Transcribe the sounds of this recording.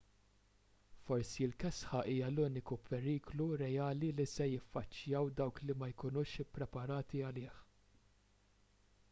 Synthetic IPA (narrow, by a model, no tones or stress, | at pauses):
fɔɾsilkɛsħɐʔiːjɐluːnɪkupʰɛɾiːkluɾɛjɐːlilisɛjɪfːɐt͡ʃːjɐwd̪ɐwklimɐjkʊnuːʃɪpːɾɛpɐɾɐːt̪iɐlɪːħ